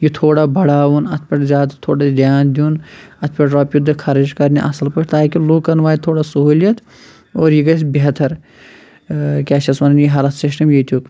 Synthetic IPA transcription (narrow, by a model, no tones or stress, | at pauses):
jit̪ʰoːɽabɐɽaːʋunɐt̪ʰpʲɐʈzʲaːd̪t̪ʰoːɽad̪jaːnd̪iuːnɐt̪ʰpʲɐʈɾaːpjud̪ʱːɨkʰɐɾed͡ʒkɐɾniḛʔɐsɐlpɐkʰt̪aːkiluːkːɐnʋaːit̪ʰoːɽasɐɦuːlijɐt̪ | oːɾjiɡɐsbeɦt̪ʰɐɾ | kʲaːʃɐsmɐnɐnjiɦɐɾɐsɪsʈɐmjit̪uk